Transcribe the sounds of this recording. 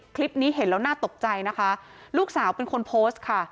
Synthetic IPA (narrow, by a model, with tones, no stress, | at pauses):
kʰli˦˥p̚niː˦˥ɦe˩˦nlɛː˦˥wnaː˥˩t̪o˨˩k̚t͡ɕa˧jna˦˥kʰa˦˥ | luː˥˩k̚saː˩˦wpe˧nkʰo˧npʰoː˦˥st̪̚kʰa˥˩